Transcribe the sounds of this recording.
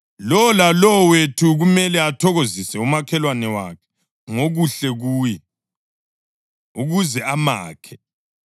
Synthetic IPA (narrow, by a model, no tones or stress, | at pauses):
lɔlalɔwetʰuɣumɛlɛatʰɔɣozisɛumakʰɛlwanɛwa̰kʰɛ̥ | ŋoɣuɬɛɣuːjɛ | uɣuzɛama̰ːkʰɛ̥